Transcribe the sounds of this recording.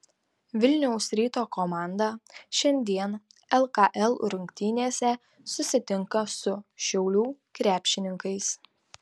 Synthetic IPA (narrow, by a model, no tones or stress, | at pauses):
ʋʲɪlʲnʲɛʊsɾʲiːt̪oːkoːmɑˑnd̪ɐʃʲɛnʲd̪ʲiɛn | ɛlˠkɑʔɛlˠɾʊŋʲkʲt̪ʲiːnʲeːsʲɛ | sʊsʲɪt̪ʲɪŋkɐsʊʃʲɛʊlʲuːkɾʲæːpʲʃʲɪnʲɪŋkɐɪs